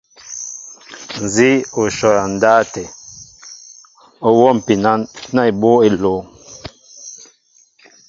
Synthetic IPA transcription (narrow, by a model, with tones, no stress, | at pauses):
n̩˨zi˦o˨ʃɔ˨ɾa˨n˨daː˦tɛ˨ | o˦wɔ˦˨m̩˨pi˨na˦na˦˨i˨bo˦e˦lo˨˦